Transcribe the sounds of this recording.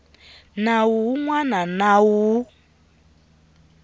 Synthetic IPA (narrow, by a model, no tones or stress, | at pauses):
nawuŋwananawu